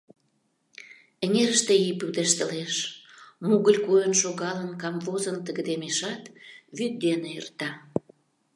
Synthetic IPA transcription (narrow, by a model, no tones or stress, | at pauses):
ĕŋeɾəʃt̪eipyd̪eʃt̪ə̆leʃ | muɣəlʲkojənʃoɣɑlənkɑmvozənt̪əɣəd̪emeʃɑt̪βyt̪̚d̪enejərt̪ɑ